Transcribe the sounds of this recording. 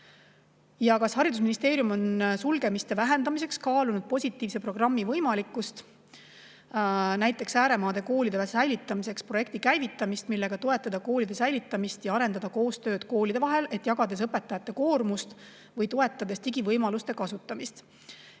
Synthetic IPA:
jɑkɑshɑɾid̪us̬minist̪e̞ːɾjumo̞nsulɡe̞mist̪e̞væɦe̞nd̪ɑmise̞kskɑːlunud̪̥̚po̞sʲit̪ːˑiːvse̞pro̞ɡ̥rɑmːivɤjmɑlikːˑust̪ | næjt̪ˑːe̞ksæːɾe̞mɑːd̪̥e̞ko̞ːlid̪̥esæjlit̪ˑːɑmise̞kspro̞je̞k̚t̪ikæjvit̪ːˑɑmist̪milːe̞ɡ̥ɑt̪o̞e̞t̪ːˑɑd̪̥ɑko̞ːlid̪̥e̞sæjlit̪ːˑɑmist̪jɑɑɾe̞nd̪ɑd̪̥ɑko̞ːst̪ø̞ːd̪̥ko̞ːlid̪e̞vɑɦe̞le̞t̪ːˑjɑɡɑd̪e̞s̬ɤpːe̞t̪ːˑɑjɑt̪ːˑe̞ko̞ːrmust̪ | vɤjt̪o̞e̞t̪ːˑɑd̪̥e̞st̪iɡ̥ivɤjmɑlust̪e̞kɑsut̪ːˑɑmist̪

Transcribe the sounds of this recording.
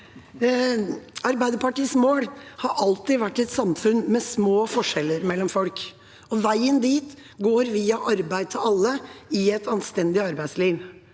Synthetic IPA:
ɑɾbæɪd̪əpɑʈiːsmoːɽhɑɾʔɑlt̪ɪʋæʈːɛt̪sɑmfʉnmɛsmoːfɔʂɛlːəɾmɛlːɔmfɔlk | ɔʋæɪənd̪iːt̪ | ɡoːɾʋiːɑʔɑɾbæɪd̪̚t̪ʰɪlɑlːəɪɛt̪ʰɑnst̪ɛnd̪ɪɑɾbæɪsliːʋ

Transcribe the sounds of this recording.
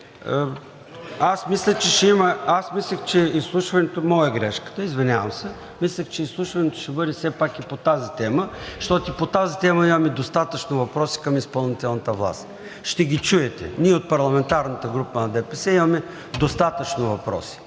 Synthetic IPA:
asmislʲət͡ʃɛʃɛimɐasmislʲəxt͡ʃɛislˠuʃvɐnɛt̪omɔjɛɡɾɛʃkə̥t̪əizvɛnʲavəmsɛ | mislʲəxt͡ʃɛislˠuʃvɐnɛt̪ʊ̥ʃɛbɤɾisɛpakipot̪azit̪ɛməʃt̪ɔt̪ipot̪azit̪ɛməimɐmɛd̪ost̪at̪ət͡ʃnovɐpɾɔsi̥kɐmispɐlˠnit̪ɛlˠnət̪əvlˠa̰st̪ | ʃt̪ɛɡʲit͡ʃuɛt̪ɛ̰niɛot̪̚pɐɾlˠɐmɛnt̪aɾnət̪əɡɾupənɐd̪ɛpɛsɛimɐmɛ | d̪ost̪at̪ət͡ʃnovɐpɾɔ̰si̥

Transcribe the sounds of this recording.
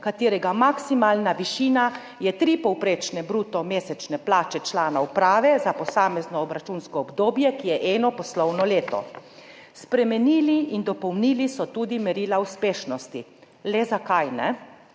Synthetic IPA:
kat̪eːɾɛɡamaksimaːlnaʋiʃiːna | jɛt̪ɾipɔwpɾet͡ʃnɛbɾuːt̪ɔmeːsɛt͡ʃnɛplaːt͡ʃɛt͡ʃlaːnaupɾaːʋɛzapɔsaːmɛznɔːbɾat͡ʃunskɔːbd̪oːbjɛkijɛʔɛːnɔpɔslɔwnɔleːt̪ɔ̰ | spɾɛmɛniːliind̪ɔpɔwniːlisɔt̪uːd̪imɛɾiːlauspeːʃnɔst̪i | lɛzakajnɛ

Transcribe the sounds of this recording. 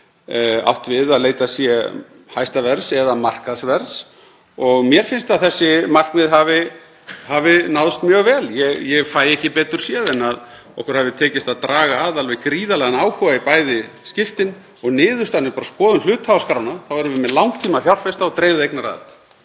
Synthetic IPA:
a̰wht̪vɪðaðleːjt̪asjɛ | hajst̪avɛɾsɛðamar̥kaðsvɛɾs | ɔɣmjɛɾ̥fɪnst̪aðθɛsːɪmar̥kmɪðɦavɪ | havɪnawðʏst̪mjœːɣvɛːljɛɣjɛɣfaːjɛhcɪpɛːt̪ʏɾ̥sjɛðɛnað | ɔ̰hkʏɾ̥havðɪt̪ʰɛːcɪst̪aðt̪ɾaːɣaːðalvɛɣkɾiːðalɛɣanaːwhʏaipaːjðɪscɪft̪ɪn | ɔɣnɪːðʏst̪anːʏpaɾaskɔːðʏnl̥ʏːt̪havskɾawnaθawɛɾʏvɪmɛðlawŋk̚t̪ʰiːmafjawr̥fɛst̪aɔt̪ɾejvðɪejknaɾa̰ːlt̪

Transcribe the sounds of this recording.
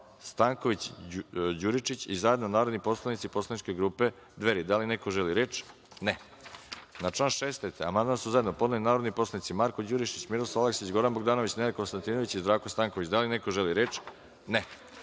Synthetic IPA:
st̪aːŋkoʋit͡ɕ | d͡ʑuɾit͡ʃit͡ɕizajed̪nonaːɾod̪nipo̞slˠanit̪sipo̞slanit͡ʃkeɡɾuːpe | d̪ʋeɾid̪alinekoʒeliɾeːt͡ʃ | ne | nat͡ʂlaːnʃest̪et̪eamand̪mansuzajd̪no̞poalinaːɾod̪nipo̞slˠanit̪simaɾko̞d͡ʑuɾiʃit͡ɕmiɾosalekseit͡ɕɡo̞ɾanboɡd̪aːnoʋit͡ɕneɾeko̞nst̪ant̪inoʋit͡ɕizd̪ɾaːkost̪aːŋkoʋit͡ɕd̪alineko̞ʒeliɾeːt͡ʃ | ne

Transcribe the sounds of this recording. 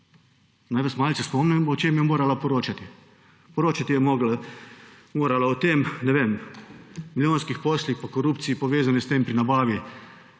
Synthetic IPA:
najʋasmalʲsɛspɔmnɛmɔt͡ʃemjɛmoːɾalapɔɾoːt͡ʃat̪i | pɔɾoːt͡ʃat̪ijɛmɔɡla | moːɾalaɔt̪eːmnɛʋeːm | milʲjoːnskixpɔslixpakɔɾuːpt̪sijipɔʋeːzanist̪eːmpɾinabaːʋi

